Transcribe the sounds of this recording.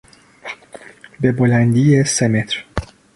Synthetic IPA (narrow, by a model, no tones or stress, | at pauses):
bebolænd̪iːjesemet̪ʰɾ